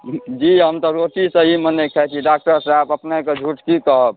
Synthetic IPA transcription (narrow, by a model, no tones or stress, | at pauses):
d͡ʒiɦəmt̪ɔɾoʈisə̃ɦimənekʰɛt͡ʃʰiɖak̚ʈəɾsabəpneked͡ʒʱuʈkikəɦəb̚